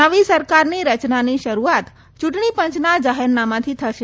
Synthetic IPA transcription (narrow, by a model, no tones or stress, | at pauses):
əʋisəɾkaɾniɾət͡ʃnaniʃəɾuat̪ | t͡ʃuʈɳipə̃ɲt͡ʃnad͡ʒaɦɛɾnamãt̪ʰit̪ʰəʃe